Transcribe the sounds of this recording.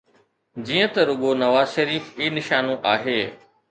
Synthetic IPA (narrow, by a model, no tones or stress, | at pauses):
d͡ʑiːə̃t̪ɐɾʊɠonɐʋaːzʃɐɾiːfiːnɪʃaːnõʔaːɦeː